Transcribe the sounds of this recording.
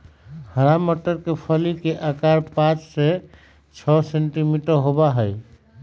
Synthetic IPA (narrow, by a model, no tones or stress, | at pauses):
həɾaməʈəɾkepʰəlikeʔakaɾpãt͡ʃse | t͡ʃʰɔseɳʈimiʈəɾɦobaɦəj